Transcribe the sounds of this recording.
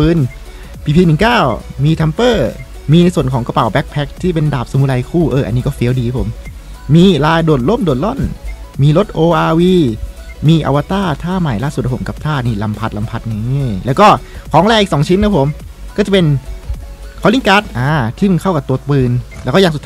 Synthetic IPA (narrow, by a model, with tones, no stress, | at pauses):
pɯː˧n | pʰiː˧pʰiː˧nɯ˨˩˦ŋkaː˥˩wmiː˧t̪ʰa˧mpɤː˥˩ | miː˧su˨˩ənkʰɔː˩˦ka˧pa˨˩˦wbɛ˦˥k̚pʰɛ˦˥k̚t̪ʰiː˥˩p̬e˧ndaː˨˩p̚sa˧mu˧˥la˧jkʰuː˥˩ʔɤː˧ʔa̰˧niː˦kɔː˥˩fi˨˦˥wdiː˧ka˦˥pʰo˩˦mːiː˧laː˧jdoː˨˩t̪̚lo˥˩mdoː˨˩t̪̚lɔ˥˩nmiː˧lo˦˥t̪̚ʔoː˧ʔaː˧wiː˧miː˧ʔa̰˧wa˧t̪aː˥˩t̪ʰaː˥˩ma˨˩jlaː˥˩su˨˩a˥pʰmka˨˩p̚t̪ʰaː˥˩niː˧˩la˧mpʰa˦t̪̚la˧mpʰa˦˥t̪̚nɯ˧˦˧lɛː˦˥wkɔː˥˩kʰɔː˩˦ŋlaɛ˧ʔi˨˩k̚sɔː˩˦ŋt͡ɕʰi˦˥nkʰa˦˥pʰo˩˦mkɔː˥˩t͡ɕa˨˩pe˧n | kʰɔː˨˧˦li˧˥˩ŋkaː˦˥t̪̚ʔaː˧˩t̪ʰiː˥˩ma˧nkʰa˥˩wka˨˩t̪u˧ɐpɯː˧nlɛː˦˥wkɔː˥˩aː˧st̪ʰː